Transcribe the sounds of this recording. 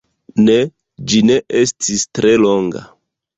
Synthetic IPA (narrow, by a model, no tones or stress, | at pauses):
ne | d͡ʒine̞ʔestʰistɾe̞loŋɡa̰